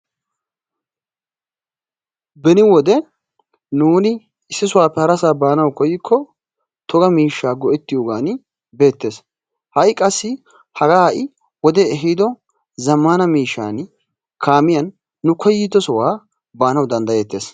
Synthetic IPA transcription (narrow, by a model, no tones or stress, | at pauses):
bɛnɪwɔd̪ɛ | nuːnɪ | ɪsːɪs̬ʊwaːpːɛhɐɾɐsaːbaːnɐwkɔjɪkʰːɔ | t̪ʰɔɡɐmiːʃːaːɡɔʔɛt̪ːɪjoːɡaːn | be̞ːt̪ːe̞ːs | hɐjkʼɐsːɪ | hɐɡaːʔɪ | wɔd̪ɛɛɦid̪ɔ | zɐmːanɐmiːʃːa̰ːn | kʰaːmɪjɐnː | ʊkɔjːɪt̪ːɔsɔwaː | baːnɐwd̪ɐnd̪ɐjeːt̪ːe̞̰ːs